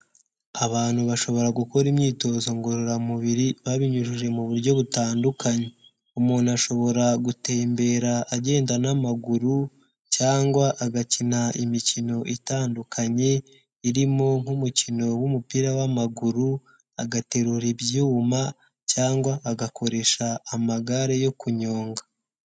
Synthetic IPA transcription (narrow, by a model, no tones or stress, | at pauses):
aβaːn̥huβaʃo̞βo̞ɾaɡuko̞ɾimɲiːto̞ːzo̞ŋɡoɾoɾamuβiɾiβaβiɲuʒuʒe̞muβuɾɟo̞βutaːndukaɲe | umuːnaʃo̞βo̞ɾaɡute̞ːmbe̞ɾaːɟe̞ːndanamaɡuɾu | caːŋɡwaʔːɡacinaimicino̞ʔitaːndukʰaɲe̞ | iɾimo̞ŋ̥humucino̞wumupiɾawamaɡuɾu | aɡate̞ɾuɾibjuma | caːŋɡwaːɡakʰo̞ɾe̞ʃaːmaɡaɾe̞jo̞kuɲoːŋɡa